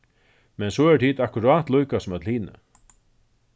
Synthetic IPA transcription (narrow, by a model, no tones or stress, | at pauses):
mɛnsɔɛt̪ʰiːt̪akʊɾaːt̪lujkasɔmɛt̪l̩hiːnɪ̰